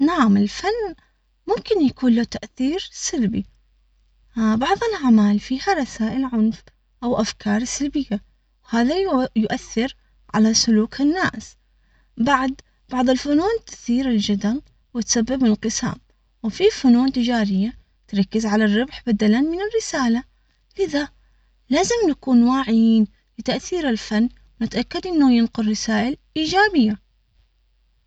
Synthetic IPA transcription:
naʕamɪlfanː | mʊmkɪnjakuːnlat̪aʔθiːɾsalbi | bɑʕðˤɨlʕamaːlfihaɾˤɑsaːʔɪlʕʊnf | ʔawʔafkʰɑːɾˤsalbɪjːa | whaːðajʊʔaθːɪɾ | ʕa̰lasʊluːkɪnːaːs | baʕd̪ | b̥ɑʕðˤɪlfʊnuːnt̪ɪ̥θiːɾɪld͡ʒad̪am | wɪt̪sabːɪbɪnqɨsa̰ːm | wfifʊnuːnt̪ɪd͡ʒaːɾɪjːa | t̪ɾˤɑkːɪzʕalarˤːɪbħbad̪alanmɪnɪrːɪsaːla | lɪða | laːzɪmnakuːnwaːʕɪjiːn | lɪt̪aʔθiːɾɪlfanː | wnɪt̪ʔakːad̪ʔɪnːajɪnqʊrːɪsaːʔɪlʔiːd͡ʒaːbɪjːa

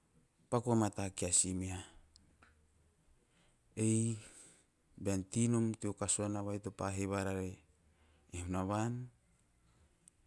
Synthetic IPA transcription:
pakuamatakiasimia | ej | beantinomtiokasuanaβajtopaɦeβaɾaɾe | ihunaβan

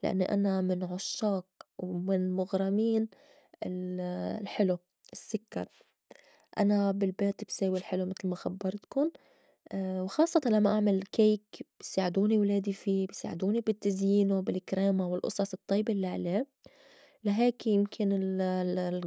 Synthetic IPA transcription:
lɪ̰ʔa̰nːiʔa̰namɪnʕʊʃːɑːq̚wmɪnmʊɣɾˤɑmiːn | ɪllħɪlu | ʔɪsːʊkːɑ̰ɾˤ | ʔa̰nabɪlbeːt̪bseːwilħɪlumɪt̪lmaxabːɑɾˤt̪kʊn | wxɑːsˤːɑt̪ˤɑnlamːaʔaʕmalkejkb̥jsaːʕɪd̪uːniwleːd̪ifiːbɪsa̰ːʕɪd̪uːnibɪt̪ːazjiːnʊbɪlkɾeːmawɪlʔʊ̰sˤɑsˤɨt̪ˤːijːbilːiʕaleː | laɦeːkjɪmkʰɪnɪl

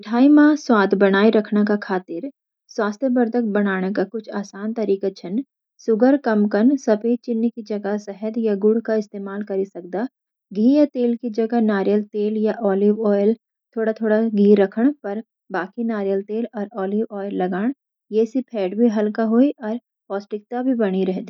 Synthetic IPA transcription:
ɪʈʰaːimãːswaːd̪bɐɽ̃aːiɾɐkʰnakakʰaːt̪ɪɾ | swaːst̪ʰjəbəɾd̪ʱək̚bɐɽ̃naːɽ̃ekakʊt͡ʃʰaːsaːnt̪ɐɾiːkat͡ʃʰɐn | sʊɡəɾkɐmkɐnsɐpet͡ʃɪnːkid͡ʒɐɡasɛɦəd̪jaɡʊɽ̤kaɪst̪eːmaːlkɐɾisɐk̚d̪aː | ɡʱiːjat̪eːlkid͡ʒɐɡanaːɾjəlt̪eːljaʔɔːlɪwɔːɪl | t̪ʰoːɽat̪ʰoːɽaɡʱiːɾɐkʰəɽ̃pɐɾ | baːkinaːɾjəlt̪eːlɔːɾɔːlɪwɔːjəlːɐɡaːɽ̃ | jeːsipʰɛːʈbʱiɦɐlkaɦoːiʔɔːɾ | pɔːsʈɪk̚t̪abʱibɐɽ̃iɾɛɦd̪iː

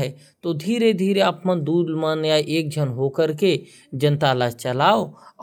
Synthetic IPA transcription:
ɦɛ | t̪od̪ʱiːɾed̪ʱiːɾeaːpmə̃d̪uːd̪maːnjaːiʔeːk̚d͡ʒʱənɦoːkəɾke | d͡ʒə̃nt̪alaːt͡ʃəlaːo

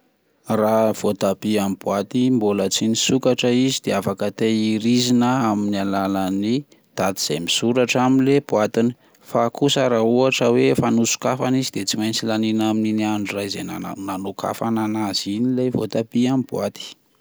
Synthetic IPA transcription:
rav̥ot̪apiambuat̪imbolət͡sinisukaʈ͡ʂəizid̪̥eafakət̪eiɾizinəaminialalani | d̪̥ad̪iz̥ejmisuɾaʈ͡ʂaminlebuat̪ini̥ | fakusəɾauaʈ͡ʂəwefanusu̥kafanizid̪et͡simajnt͡silaninamininiaɳɖ͡ʐirajzenaa̰nanoka̰fananaz̥inilejvo̰t̪apiambuat̪i̥

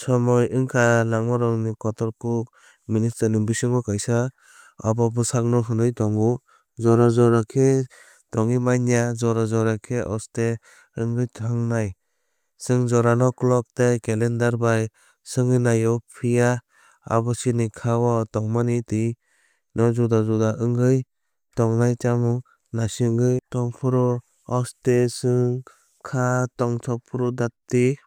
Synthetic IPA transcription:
sɔmɔjɯŋkʰalaŋmɔɾɔŋnikɔtɔɾkuk̚ | ministaniŋbisɯŋɔkajsa | abɔbɯsak̚nɔɦɯndɯjtɔŋu | zɔɾazɔɾakʰe | tɔŋimajnijazɔɾazɔɾakʰeʔɔste | ɯŋɡɯjtʰaŋnaj | sɯŋzɔɾanɔklɔk̚tekelendaɾbaj | sɯŋɯnajɔpʰija | a̰βɔsinikʰawɔtɔŋmanitɯj | nɔzudazɔdaʔɯŋɡɯj | tɔŋnajt͡ʃamɔ | nasiŋɡɯjtɔŋpʰɔɾɔ | ɔstesɯŋ | kʰatɔŋtʰɔpʰɾɔdatːi

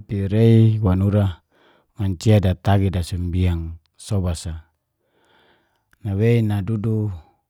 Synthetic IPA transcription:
piɾeiwanuɾa | maɲt͡ʃiadat̪aɡidasumbiaŋ | sobasa | naweinadudu

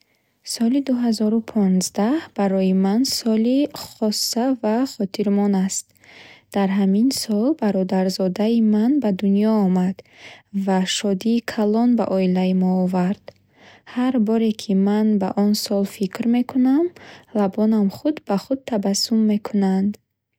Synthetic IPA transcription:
sɔlid̪uɦazɔɾupʰɔnzd̪ahb̥aɾɔjimansɔliχɔsːavaχɔt̪ʰiɾmɔnast̪ | d̪̥aɾɦaminsɔlbaɾɔd̪aɾzɔd̪aimanbad̪unjɔːmad̪̥vaʃɔd̪iːkʰalɔnba̰ʔɔilaimɔːvaɾd̪̥ | haɾbɔɾe̞kʰimanba̰ʔɔnsɔlfikɾme̞kʰunamlabɔnamχud̪baχud̪̚t̪ʰabasumːe̞kʰunand̪

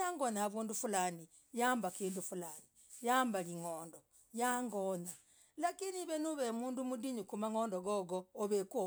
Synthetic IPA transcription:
aŋɡonaaβuːndufulaːni | jaːmbakiːndufulaːni | jaːmbaliŋoːndo | jaŋɡona | lakiniβenuβemuːndumudiɲukumaŋoːndoɡoɡoːβekwo

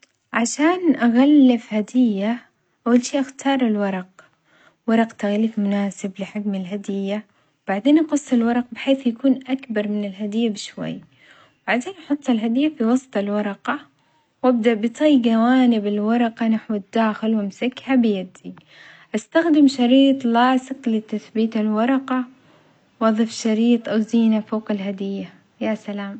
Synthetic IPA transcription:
ʕaʃaːnʔaɣalːɪfhad̪ɪjːa | ʔawːalʃiːʔaxt̪ʰɑːɾˤɪlwɑɾˤɑq̚ | wɑɾˤɑqt̪aɣliːfmʊnaːsɪblɪħɪkmɪlɦad̪ɪjːa | wb̥aʕd̪eːnʔɑqʊsˤːɪlwɑɾˤɑq̚bɪħeːθjakuːnʔakbɑɾˤmɪnɪlɦad̪ɪjːabɪʃwa̰jː | baʕd̪eːnʔɑħʊt̪ˤːɪlɦad̪ɪjːafiwɑsˤt̪ˤɪlwɑɾˤɑqɑ | wʔab̚d̪aʔbɨt̪ˤiːjɡawaːnɪbɪlwɑɾˤɑqɑnaħwɪd̪ːaːxɪlwɪmsakːhabɪjad̪i | ʔast̪axd̪ɪmʃɑɾiːt̪ˤlɑːsɨqlɪt̪aθbiːt̪ɪlwɑɾˤɑqɑ | wʔɑðˤɨfʃɑɾiːt̪ˤʔawziːnafoːqɪlɦad̪ɪjːa | jasalaːm

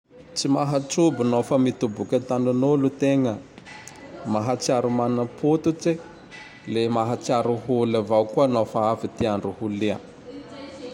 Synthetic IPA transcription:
t͡simaɦat͡subinofəmit̪ubukʲat̪aɳanolut̪eŋə | maɦat͡saɾumannəpʰut̪ut͡si | lemaɦat͡siaɾuɦulavawkuanofaafit̪iaɳɖ͡ʐuhulia̰

